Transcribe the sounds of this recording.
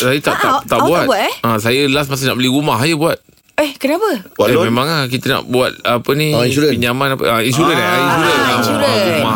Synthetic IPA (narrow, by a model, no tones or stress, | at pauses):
sajət̪aʔt̪at̪aʔbuat̪baəsajəlas̬mas̬ənaʔbəliɾumahajəbuat̪̚ | ahkənapəamẽmãŋak̬it̪əna̰ʔbuat̪̚apəniiuɾɛpiɲamanapə̰ʔəinsuɾənaiuɾənauãɾuma